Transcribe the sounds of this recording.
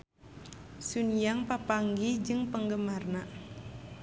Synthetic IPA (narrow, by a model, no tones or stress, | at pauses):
sunjaŋpapaŋɡid͡ʒɨŋpəŋɡəmarna